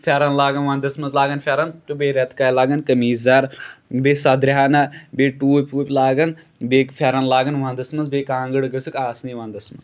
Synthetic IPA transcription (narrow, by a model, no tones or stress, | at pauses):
fʲaːɾanlaːɡɐnʋãːnd̪ɐsmɐnzlaːɡɐnfʰʲaːɾɐnt̪ubeːɾɐt̪kaːjlaːɡɐnkɐmiːzaɾbeːsɐd̪ɾɦaːnɐbeːʈuːpʲuːpʲlaːɡɐn | beːkfʰʲaːɾɐnlaːɡɐnʋãːnd̪ɐsmɐnzbeːkãːŋɡɨɽɡɐsʰukaːsniʋãːnd̪ɐsmɐnz